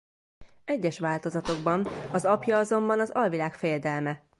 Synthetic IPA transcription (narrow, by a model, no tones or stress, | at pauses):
ɛɟːɛʃʋaːlt̪o̞zɒt̪o̞ɡbɒnɒzɒpjɒɒzo̞mbɒnɒzɒlvilaːkfɛjɛd̪ɛlmɛ